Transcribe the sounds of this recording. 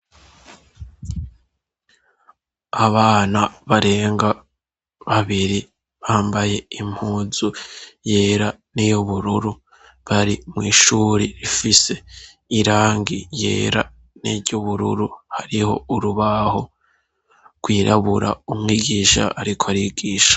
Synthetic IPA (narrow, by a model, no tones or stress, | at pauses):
aβaːnaβaɾe̞ːŋɡa | βaβiɾi | βaːmbaje̞im̥huːzuje̞ːɾanijoβuɾuɾu | βaɾimŋiːʃuːɾiɾifise̞ | iɾaːŋɡijḛːɾa̰ | nḭɾɟuβuɾṵɾuhaɾiho̞̰uɾuβaho̞ | ɡ̥wiːɾʔaβuɾa̰umŋiːɡiːʃa̰aɾikʰoaɾiɡiːʃḁ